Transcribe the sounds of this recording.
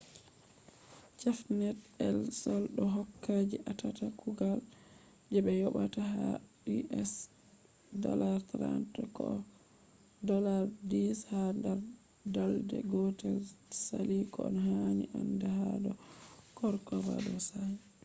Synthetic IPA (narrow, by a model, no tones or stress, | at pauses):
t͡ʃafnɛtɛlsɔlɗɔɦɔkːad͡ʒiʔatatakʰuɡal | d͡ʒɛɓɛjɔɓataɦa | iʔɛs | dɔ̰laɾt̪ɾa̰ntɔkɔ̰ | dɔlaɾdishandaɾ | daldɛ̰ɡɔtɛlsalikɔɔ̰nhaɲiʔandahadɔkɔɾkɔva̰ɗɔsa